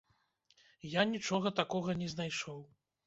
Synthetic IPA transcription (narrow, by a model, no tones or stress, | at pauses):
janʲit͡ʂɔɣɐt̪akɔɣɐnʲɛznajʂɔw